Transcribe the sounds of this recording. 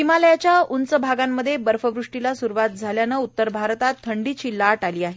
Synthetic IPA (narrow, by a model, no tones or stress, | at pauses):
imaləjat͡ɕjaunt͡səbʱaɡamːəd̪ʱːjebəɾfəʋɾuʂʈilasuɾuʋat̪̚d͡zʱaljanəut̪ːəɾbʱaɾt̪at̪ʰːəɳɖiːt͡ɕiːlːaʈaliːaɦe